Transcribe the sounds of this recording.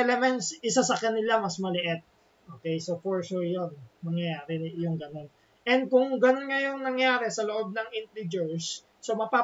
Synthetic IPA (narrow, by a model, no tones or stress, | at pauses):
ɛlɛmɛnt̪sʔɪsasɐkɐnɪlamɐsmɐlɪʔɪt̪̚ | ʔoːkɛjsofoɹʃuɹjonmɐŋjɐjaːɾɛjʊŋɡɐno̞n | ʔɛnd̪̚kʊŋɡɐno̞nŋɐjʊŋnɐŋjaːɾɛsɐloʔo̞b̚nɐŋɪnt̪ɾɪd͡ʒɛɹsː | omɐpa